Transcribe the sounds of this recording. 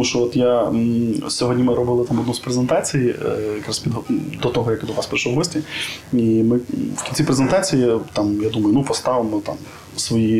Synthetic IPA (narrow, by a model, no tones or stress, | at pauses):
muʃt͡ʃɔɔt̪ja | sʲɔɦɔdʲnʲimɪɾɔbɪlˠɪt̪ɑmɔd̪nuspɾezent̪ɑt͡sʲijijɐkɾaspʲid̪ɦɔd̪ɔt̪ɔɦɔjɐkd̪ɔʋɑspɾɪʃlˠɔʋɦɔsʲtʲiimɪwkʲinʲt͡sʲipɾezent̪ɑt͡sʲijit̪ɑmjad̪umɐjʊnupɔst̪ɑʋɪmɔt̪ɑ̰m | sʋɔji